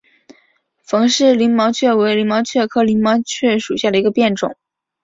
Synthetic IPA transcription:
fɤ˧˥ŋʂɻ̩˥˩li˧˥ŋmɑ˧˥ʊt͡ɕʰɥɛ˥˩we˧˥ɪli˧˥ŋmɑ˧˥ʊt͡ɕʰɥɛ˥˧kʰɤ˥˩li˧˥nmɑ˧˥ʊt͡ɕʰɥɛ˥˩ʂu˨˩ɕja˥˩d̪ə˩i˧˥ɡə˧pjɛ˥˩nʈ͡ʂʊ̰˨˩˦ŋ

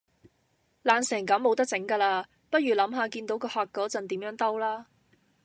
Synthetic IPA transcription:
laː˨˧nsɛː˨˩ŋkɐ˨˥mːo˨˧wt̪ɐ˥k̚t͡sɪ˨˥ŋkaː˧laː˧ | pɐ˥t̚ɥyː˨˩lɐ˨˥mɦaː˨˧kiː˧nt̪o˨˥wkɔː˧hɔː˨k̚kːɔː˨˥t͡sɐ˨nt̪iː˨˥mjœː˨˥ŋt̪ɐ˥wlaː˥

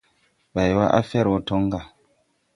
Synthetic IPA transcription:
ba˨jwa˦ʔa̰˦fɛ˦ɾwo˦tɔ˦ŋɡa˨

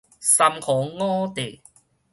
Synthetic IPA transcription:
sa˧mkʰɔ˨˦ŋɔː˦t̪e˨˩

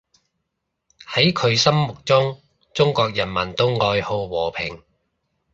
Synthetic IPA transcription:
hɐ˨˥jkʰɵ˨˧ɥsɐ˥mmʊ˨k̚t͡sʊ˥ŋ | t͡sʊ˥ŋkɔː˧k̚jɐ˨˩nmɐ˨˩nt̪o˥wŋɔː˧jho˧wwɔː˨˩pʰɪ̰˨˩ŋ

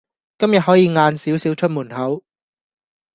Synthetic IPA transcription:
kɐ˥mjɐ˨t̚ɦɔː˨˥jiː˨˧ŋaː˧nsiː˨˥wsiː˨˥wt͡ʃʰt̚muː˨˩nhɐ˨˥w

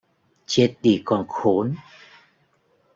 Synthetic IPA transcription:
t͡ɕe˧˥t̚ɗi˧˩kɔ˨˩nxo˨˦n

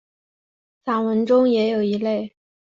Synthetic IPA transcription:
sa˨˩nwə˧˥nʈ͡ʂʊ˥ŋjɛ˧˥jo˨˩ʊi˧˥le˥˩ɪ

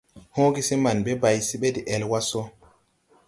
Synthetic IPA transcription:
hõː˦ɡi˦se˦ma˨nbe˦ba˨jsi˦ɓe˦di˨ʔɛ˨lwa˦so˦

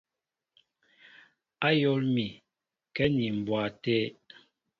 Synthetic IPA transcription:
a˦jɔ˦lmi˨ | kɛ˦ni˨m̩˨bwa˨tɛ˦

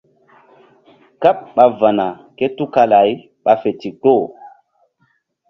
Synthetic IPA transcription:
ka˦p̚ɓa˨va˨na˨ | ke˦tu˦ka˧la˨˦j | ɓa˨fe˨ti˨ko˦˨

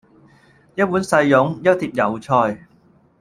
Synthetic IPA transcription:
jɐ˥t̚puː˨˥nsɐ˧jːʊ˨˥ŋjɐ˥t̚t̪ʰiː˧p̚jɐ˨˩wt͡ʃʰɔː˧j

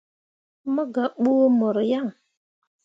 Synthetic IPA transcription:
mə˦ɡa˨ɓu˦mə˨ɾja˦˨ŋ

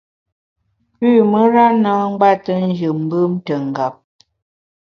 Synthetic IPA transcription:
pʉ˦˨mə˦ɾa˦na˦ŋ̩˦ɡ͡ba˦tə˦n̩˦d͡ʒɨ˨m̩˦bɯ˦mtə˨ŋ̩˨ɡa˨p̚

